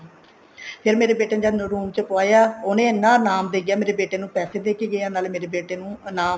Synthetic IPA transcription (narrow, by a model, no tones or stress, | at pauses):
pʰɪɾmeːɾeːbeːʈeːnd͡ʒanɾuːmt͡ʃəpoaːjaːʊnẽːnːãːnaːmd̪eːɡjaːmeːɾeːbeːʈeːnũːpɛːseːd̪eːkiːɡɪaːnaːlmeːɾeːbeːʈeːnũːnaːm